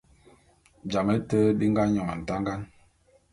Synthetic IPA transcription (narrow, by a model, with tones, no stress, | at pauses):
d͡ʒa˨mɛ˦tə˦ɗi˦ŋ˦ɡa˦ɲɔ˨ŋa̰˨n̩˨ta˦ŋ˦ɡa˦n